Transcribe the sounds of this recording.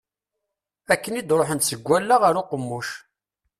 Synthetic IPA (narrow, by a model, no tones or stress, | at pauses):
ækːənid̪ɾˤoħənt̪səɡʷːælːaʁaɾʊqəmːuʃ